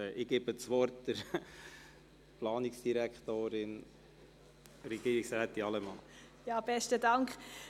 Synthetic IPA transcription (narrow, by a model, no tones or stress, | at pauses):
ʔɪɡ̥eb̥ət͡sʋɔrtd̥əɾ | plɑːniksd̥iɾækχt̪oːɾɪn | ɾɛɡ̥iːɾiksɾæːt̪ːiɑlɛmɑn | jɑːb̥ɛstədɑŋkχ